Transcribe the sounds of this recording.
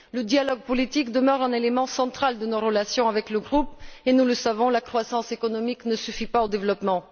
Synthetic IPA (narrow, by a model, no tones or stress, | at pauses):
ləd̪jalɔɡ̚pɔlit̪ikd̪əmœʁɛ̃nelemɑ̃sɑ̃t̪χald̪ənoʁəlasjɔ̃avɛkləɡʁupenuləsavɔ̃lakχwasɑ̃sekɔnɔmiknəsyfipaod̪evlɔpmɑ̃